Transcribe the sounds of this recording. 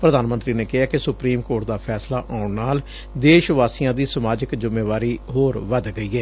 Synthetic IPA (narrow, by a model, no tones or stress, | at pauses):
pɾəd̪aːnmənt̪ɾiːneːkɪɦaːkɪsʊpɾiːmkoːɾʈ̚d̪aːpʰɛːslaːʔãːʊɳnaːl | d̪eːʃʋaːsijãːd̪iːsəmaːd͡ʒɪkzɪmːeːʋaːɾiːɦoːɾʋəd̪ɡəiːɛː